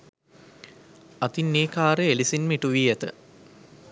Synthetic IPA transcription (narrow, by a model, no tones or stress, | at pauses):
ɐt̪inːeːkaːɾeelisinmiʈuʋiːæt̪ə̰